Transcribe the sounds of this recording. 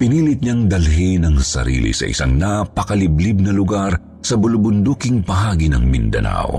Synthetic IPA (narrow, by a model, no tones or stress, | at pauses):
pɪniːlɪt̪̚ɲaŋd̪ɐlɦɛnɐŋsɐ̰ɾḭːlḭsɐ̰ʔɪ̰saŋnapɐkɐlɪblib̚nɐlʊɡaɾ | sɐbʊlʊbʊnd̪uːkɪŋpɐɦaːɡinɐ̰ŋmɪ̰nd̪ɐ̰na̰wo̰